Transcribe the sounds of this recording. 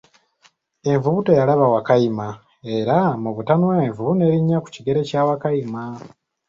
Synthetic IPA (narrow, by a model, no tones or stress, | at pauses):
e̞ɱvuβutojalaβawakajima | e̞ɾamuβutanwaeɱvuβune̞ɾiɲːaku̥ciɡe̞ɾe̞caːwakajima